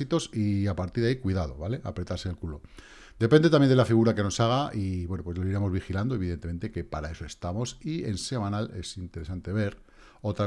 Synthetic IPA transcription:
it̪o̞siapaɾt̪iɾðaikwiðað̞o̞βale̞ʔa̰pɾe̞t̪aɾse̞ːlkulo̞ | d̪e̞pend̪e̞t̪amjenelafiɣ̞uɾake̞no̞saɣ̞aʔiβwe̞nopwe̞zloiɾe̞mo̞zβixiland̪oeβiðent̪eẽ̞nt̪e̞ke̞paɾae̞so̞e̞st̪amo̞sie̞nse̞mãnale̞̰sint̪e̞ɾesant̪e̞βe̞ɾ | o̞t̪ɾa

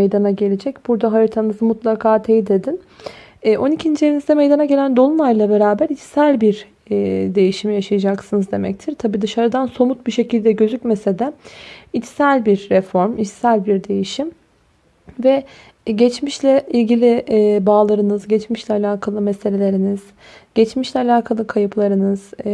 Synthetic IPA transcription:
ejd̪anaɟe̞lʲed͡ʒɛcb̥uɾd̪aɦajɯɾt̪ʰanɯzmut̪lˠakʰaːt̪ʰejid̪e̞d̪in | ɛʔo̞nicʰind͡ʒieinizd̪ɛme̞jd̪anaɟe̞lʲænd̪o̞lˠunˠajlˠabe̞ɾaːbæɾit͡ʃ̪sælʲbiɾː | d̪e̞jiʃimjaʃajad͡ʒaksɯnɯzd̪e̞mɛ̰c̚t̪ʰiɾ̥t̪ʰabiːd̪ɯʃaɾɯd̪anso̞mut̪̚biʃe̞cʰilʲd̪ɛɟø̞zycmese̞d̪ɛit͡ʃ̪sælʲbiɾːɛfo̞ɾmit͡ʃ̪sælʲbiɾd̪e̞jiʃim | vɛ | ɟɛt͡ʃmiʃlʲɛilʲɟilʲɪbaːlˠaɾɯnɯzɟɛt͡ʃmiʃlʲɛalʲaːkʰalˠɯmɛselʲe̞lʲe̞ɾiniz̥ | ɟ̥ɛt͡ʃmiʃlʲɛalʲaːkʰalˠɯkʰajɯpʰlˠaɾɯnɯz̥

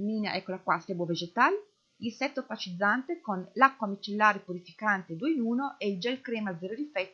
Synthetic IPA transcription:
miːnea̰ʔɛkːolakwasɛbwoved͡ʒet̪aːle | ilsɛt̪ːopat͡ʃid̪zːant̪ekonlakːwamit͡ʃelːaːɾepuɾifi̥kant̪ed̪ueinuːnoʔeild͡ʒɛlkɾɛːmad̪zeːɾod̪ifɛt̪ː

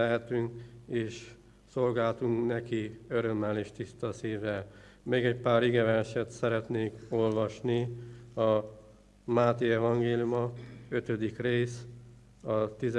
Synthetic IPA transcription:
ɛɦɛt̪yŋkeːʃ | so̞lɡaːlt̪uŋknɛkiø̞ɾø̞mːɛleːʃt̪ist̪ɒsiːvɛlmeːɡɛcpaːɾiɡɛvɛnʃɛt̪sɛɾɛt̪neːko̞lvɒʃniɒ | maːt̪eːɛvɒŋɡeːlijumɒø̞t̪ød̪ikreːs | ɒt̪iz

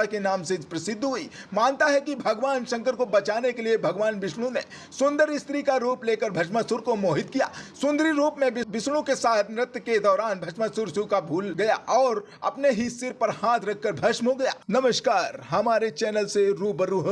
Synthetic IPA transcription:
akenaːmsɪd͡ʒpɾɐsɪd̪ʱːɦʊiːmaːnt̪aɦɛkibʱɐɡʋaːnʃɐ̃ŋkəɾkobɐt͡ʃaːnekeliebʱɐɡʋaːnbɪʃɽ̃õne | sʊ̃nd̪əɾɪst̪ɾikaɾuːpleːkəɾbʱɐʃmasʊɾkomoːɦɪt̪̚kija̰ːsʊ̃nd̪əɾiɾuːpmẽbɪʋɪʃɽ̃õkesaːt̪ʰmɾɪt̪ked̪ɔːɾaːnbʱɐʃmasʊɾsʊkabʱuːlɡɐjaʔɔːɾ | ɐ̰pneɦisɪɾpɐɾhaːt̪ʰɾɐkʰːəɾbʱɐʃmɦoɡɐja̰ːnɐməʃkaːɾɦɐmaːɾet͡ʃɛːnəlseɾuːbəɾuːɦ

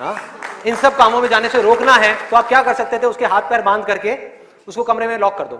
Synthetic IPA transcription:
ɦãːɪnsɐb̚kaːmõmẽd͡ʒaːneseɾoːknaɦɛt̪oaːp̚kjaːkɐɾsɐk̚t̪et̪ʰeʊskeɦaːt̪̚ʰpɛːɾbãːnd̪ʱkɐɾke | ʊskokɐmɾemẽlɔːkːɐɾd̪o̰ː

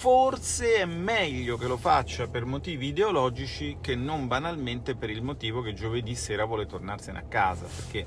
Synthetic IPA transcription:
forseɛmmːɛʎːokelofa̰t͡ʃːapermot̪iːviːd̪eolɔːd͡ʒit͡ʃikenːombanalment̪epeɾilmot̪iːvoked͡ʒoved̪isɛːɾavwɔːlet̪ornarsenḛakːaːza̰perk̟e

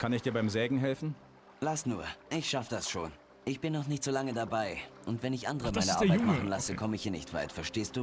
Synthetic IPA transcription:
kʰanɪçd̥iːɐbaɪmzɛːɡŋ̩ɦɛlfn̩ | lastnuːɐʔɪçʃafəd̥asʃo̰ːn | ʔɪçb̥ɪnːɔχnɪçtz̥oːlaŋədabaɪʔʊntv̥ɛnɪçʔa̰ndəʁəmaɪnəaɐbaɪmχn̩lasəkʰɔməɪçhiːɐnɪ̰çtv̥a̰ɪtfɛɐʃteːstd̥uː

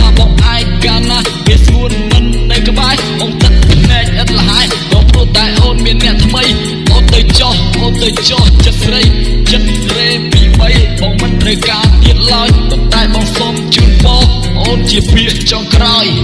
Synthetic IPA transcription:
aːɓɑŋʔaɛŋ̚kaːnaːh | ʋiəsuənmɨnːɨjkə̆ɓaɛhɓɑːŋt̪ɨk̪̚pɨnɛːk̚ʔət̪̚ləɦaɛ | kɑːprŭəht̪aɛʔoːnmiənːɛ̆əʔt̪ʰməj | ʔoːnt̪əwt͡ɕɑhʔoːnt̪əwt͡ɕɑht͡ɕət̪̚rəjt͡ɕət̪̚reː | piːɓəjɓɑːmɨnt̪rəwkaːt̪iət̪̚laɔjpont̪aɛɓɑŋsomt͡ɕuənpɑː | ʔoːnt͡ɕiəpʰiəʔ̚t͡ɕoŋkraɔj

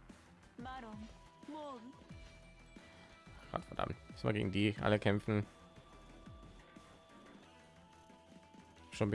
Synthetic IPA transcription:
maɾʊm | mon | ɡ̥ɔ̰tfɛɐd̥a̰mtɛsmaːɡḛːɡŋ̩diːʔa̰ləkʰɛmfn̩ | ʃoːnb

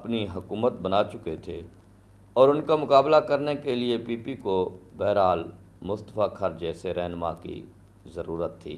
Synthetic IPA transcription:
ɐpniɦʊkuːmət̪̚bənaːt͡ʃʊket̪ʰe | ɔːɾʊnkamʊkaːblakɐɾnekeliepiːpikobɛːɾaːl | mʊst̪əfakʰɐɾd͡ʒɛːseɾɛɦnma̰kḭ | zəɾuːɾət̪ʰːḭː

